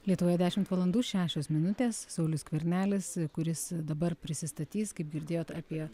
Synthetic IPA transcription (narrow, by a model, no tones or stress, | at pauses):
lʲiɛt̪ʊʋoːjɛd̪ʲæːʃʲɪmt̪ʋɐlˠɐnd̪uːʃʲæːʃʲoːsmʲɪnʊt̪ʲeːsːɐʊlʲʊskʋʲɛɾʲnʲæːlʲɪskʊɾʲɪsd̪ɐbɐɾpʲɾʲɪsʲɪst̪ɐt̪ʲiːskɐɪp̚ɡʲɪɾʲd̪ʲeːjoːt̪ɑpʲiɛ